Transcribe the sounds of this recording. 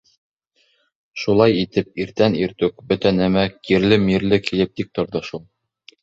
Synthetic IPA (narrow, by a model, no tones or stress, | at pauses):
ʃulˠɑjit̪ɘp̚iɾt̪æniɾt̪ʉk̚bɵt̪ænæmækiɾlɘmiɾlɘkilɘp̚t̪ik̚t̪ŏɾd̪ɑʃulˠ